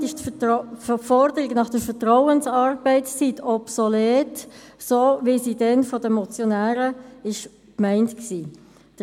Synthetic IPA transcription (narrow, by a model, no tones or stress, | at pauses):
ɪʃt | fɔɾdəɾɪɡnɑχd̥əfətʁɔʊənsɑːɾb̥ɛɪt͡sst͡sitɔpsoleːtsoːʋisidɛnfɔdəmɔt͡sjonæːɾəɪʃ | kmɛɪntksiː | d̥